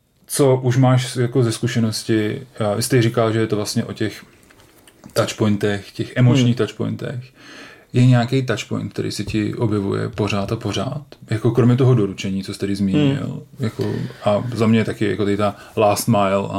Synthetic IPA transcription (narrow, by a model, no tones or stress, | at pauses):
t͡so̞ʔuʃmaːʃjakozɛskuʃɛno̞scɪvɪst̪ɛrikalʒɛjɛt̪ovlast̪ɲɛʔo̞cɛx | t̪at͡ʃpojnt̪ɛxcɛxʔɛmot͡ʃɲiːxt̪at͡ʃpo̰jnt̪ɛ̰x | jɛɲɛakejt̪at͡ʃpo̰jnt̪k̚t̪ɛɾḭjsɛcɪʔo̞bjɛvṵjɛ̰po̞r̝aːt̪apo̞ra̰ːt̪jako̞kɾo̞mɲɛt̪o̞ɦodo̞ɾut͡ʃɛɲiːt͡sost̪ɛɾɪzmiːɲɪ̰ljako̰ʔazamɲɛjt̪akɪjakot̪akɪt̪a | laːst̪majla̰